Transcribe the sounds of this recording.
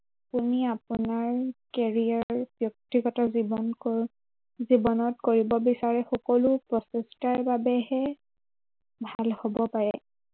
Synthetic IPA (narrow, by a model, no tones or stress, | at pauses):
apuniapʊnaɹkɛɹiaɹbjɔk̚tiɡɔtazin | zibɔnɔtkoɹibɔbisaɹɛxɔkɔlʊpɹɔsestaɹbabɛɦɛ | bʱalhobɔpaɹɛ